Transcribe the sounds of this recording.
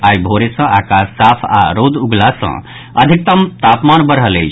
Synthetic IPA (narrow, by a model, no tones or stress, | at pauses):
ajbʱoɾesə̃ʔaːkasːapʰa̰ɾod̪uɡlasə̰̃ | əd̪ʱik̚t̪əmt̪apmanbəɾɦəlejt͡ʃʰ